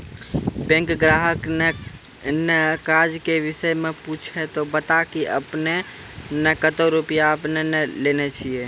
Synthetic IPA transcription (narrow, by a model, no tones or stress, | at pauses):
bẽŋkɡɾaɦəkne | nɛkad͡ʒkebisəjmeput͡ʃʰɛt̪ɔbət̪akiə̰pne | nəkət̪oɾupijaəpnenɛlenɛt͡ʃʰije